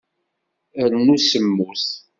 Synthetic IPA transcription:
əɾnusəmːuθ

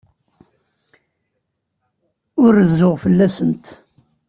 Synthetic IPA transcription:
ʊɾːəzːʊʁfəlːæsənt̪

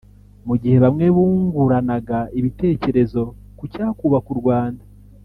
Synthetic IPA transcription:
muɟihe̞βamŋe̞βuːŋɡuɾanaɡaiβite̞ːce̞ɾe̞zo̞ | kucaːkuβakuɾɡwaːnda

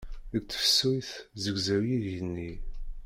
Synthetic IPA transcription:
əɡ̚t͡sːə̥fsujθzəɡzæwjiʝənːi

